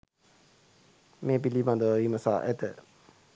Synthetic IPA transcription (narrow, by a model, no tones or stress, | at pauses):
mẽp̬ilibãnd̪oiməsa̰ːʔɛt̪ə